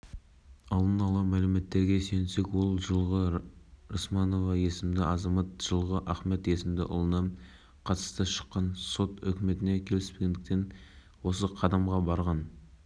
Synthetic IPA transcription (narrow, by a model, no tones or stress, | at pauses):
ɑlˠd̪ənɑlˠɑmælɪme̞t̪ːe̞ɾɡʲe̞sejɪnse̞kwo̞lˠʒəlˠʁəɾosmɑnovɑje̞sɪmd̪ɪɑzɑmɑt̪ʒ̥əlˠʁəʔæχme̞t̪e̞sɪmd̪ɪʔʊ̰lˠənɑp | qʰɑt̪ə̥st̪əʃə̥qːɑnso̞t̪ʏ̰kʲɪme̞t̪ɪne̞kʲʰe̞lɪspeɡʲe̞nd̪ɪk̚t̪e̞n | wo̞səqʰɑd̪ɑmʁɑbɑɾʁɑn